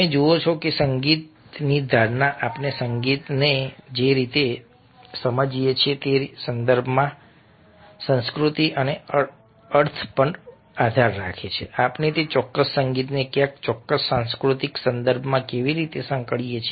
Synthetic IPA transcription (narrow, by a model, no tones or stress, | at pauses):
ẽd͡ʒuot͡ʃʰokesəŋɡit̪̚nid̪ʱaɾnaʔapnesəŋɡit̪ned͡ʒeɾit̪e | səməd͡ʒijet͡ʃʰet̪esənd̪əɾbʱmã | sə̃nskɾut̪iʔəneə | əɾt̪ʰpəɳ | ad̪ʱaɾːa̰kʰet͡ʃʰeapnet̪et͡ʃɔkːəsːəŋɡit̪nekjãk̚t͡ʃɔkːəsːãnskɾut̪iksənd̪əɾbʱmãkeʋiɾit̪esə̃ŋkəɭijet͡ʃʰ